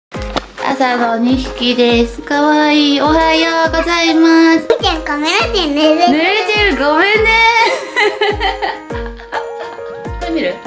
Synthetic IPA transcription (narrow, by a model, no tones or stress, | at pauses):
a̰saɡoɲiɕi̥kʲid̪esɨ̥kaβaiːohajoɡo̞zaimasɨ̥kʲẽŋkamẽmat̪enemed͡ʑɯɡomẽnd̪e | emʲiɾɯ